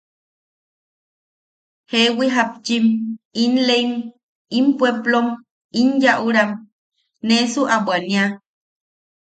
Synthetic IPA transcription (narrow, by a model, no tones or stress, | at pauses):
hewiɦap̚t͡ʃiminlein | impweplom | injaʔuɾam | nesuʔabwanĩa